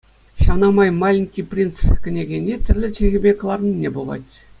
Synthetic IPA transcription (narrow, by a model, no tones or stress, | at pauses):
ɕɑʋnɑmɑjmɑlʲiŋʲkʲijprʲint̪skʲɘ̆nʲeɡʲenʲːet̪ʲɘ̆rʲlʲɘ̆t͡ɕĕɣʲɘ̆bʲek̆lˠɑrnʲinʲːebulɑ̰tʲ